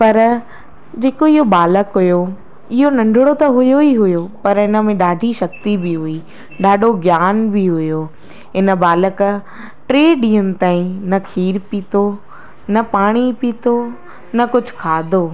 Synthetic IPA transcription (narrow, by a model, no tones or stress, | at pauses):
pɐɾ | d͡ʑeːkoɪɦobaːləkɦʊjo | ɪɦonɐ̃ɳɖʱɪɽot̪ɐɦʊjoiɦʊjopɐɾɪnə̆mẽɗaːɖʱiʃɐk̚t̪ibɪɦʊi | ɗaːɖʱoɡjaːnbiɦʊjoː | ɦɪnə̆baːlək | ʈɾeːɗĩːʊn̆t̪aːĩnɐkʰiːɾpiːt̪o | nɐpaːɽ̃ipiːt̪o | nɐkʊd͡ʑʱʊkʰaːd̪ʱoː